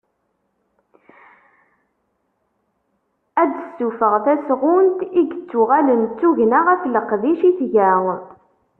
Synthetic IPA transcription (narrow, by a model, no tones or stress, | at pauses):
æd̪əsːufəʁθæsʁʊnt̪iɡət͡sːʊʁælənt͡sːuʝnaʁæθləqðiʃiθʝæ